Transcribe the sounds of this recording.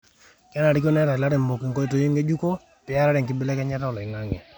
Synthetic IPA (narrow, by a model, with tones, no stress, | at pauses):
ka˦na˨ɾi˦k̬o˦nɛ˦ɾa˨la˦ɾɛ˨mbo˨ku˨ŋko˦i˦to˦ji˦ŋɡe˦d͡ʒu˦ko˦ | pɪ˦a˦ɾa˦ɾɛ˨ŋkɪ˦bɪ˦lɛ˦kɛ˦ɲa˦ta˦ɔ˨lɔ˨ɪ˨ŋa˦ŋɛ̰˨